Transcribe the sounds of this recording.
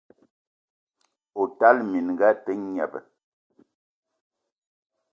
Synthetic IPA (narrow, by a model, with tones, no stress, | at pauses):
o˨ta˦lmi˨nŋ˨ɡa˦tɛ˦ɲɛ̰˨bə̰˨